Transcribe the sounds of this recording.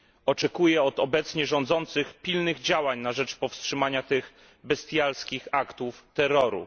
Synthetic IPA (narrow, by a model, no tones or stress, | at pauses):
ɔt͡ʂɛkujɛɔd̪ɔbɛt̪sɲɛʐɔ̃nd̪zɔnt̪sɘxpʲilnɘɣd͡ʑawaɲnaʐɛt͡ʂpɔfstʂɘmaɲat̪ɘɣ | bɛst̪ʲjalskʲixakt̪uft̪ɛɾɔɾṵ